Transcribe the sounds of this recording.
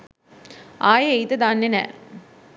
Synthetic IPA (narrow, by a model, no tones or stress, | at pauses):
aːjeejt̪əd̪aːnːenɛ̰ː